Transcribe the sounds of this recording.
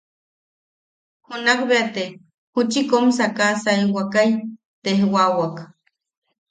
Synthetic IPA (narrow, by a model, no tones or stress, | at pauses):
hunakbeat̪e | hut͡ʃikoms̬akasajwakaj | t̪ehwawak